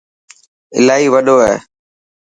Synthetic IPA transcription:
ɪ̰laːiːʋəɗoːɦɛ̰ː

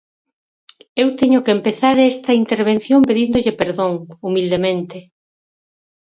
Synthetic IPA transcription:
ewt̪eɲʊkeːmpeθaɾɛst̪ɐint̪eɾβ̞en̟θjõmpeðind̪ʊʎepeɾðoŋumild̪emẽnt̪e

